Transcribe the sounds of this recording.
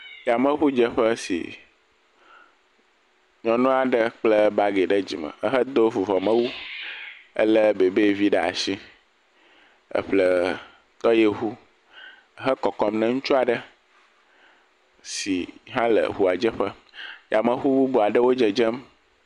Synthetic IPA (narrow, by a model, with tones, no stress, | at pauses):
ja˨mə̃˦ɸu˦d͡ʒə˦ɸə˦sḭ˨ | ɲɔ̃˨nɔ̃˦a˨ɖə˦k͡plə˦ba˦ɡe˨ɖə˦d͡ʑḭ˨mə̰̃˨ə˦ɦə˦d̪o˦vu˨vɔ˨mə̃˦wu˦ | ə̰˦lə˦be˨be˦vi˦ɖa̰˨ʃi˦ | ə̰˦ɸlə˦ | t̪ɔ˦je˨ɦu˦ | ə˦ɦə˦kɔ˨kɔ˦mnə̃˦ŋũ˦t͡ʃu˦a˨ɖə˦ | si˨ɦã˦lə̰˨ɦu˦a˨d͡ʒə˦ɸə˦ | jʔa˨mə̃˨ɸu˦bu˦bo˨a˨ɖə˦wo˦d͡ʒə˨d͡ʒə˦m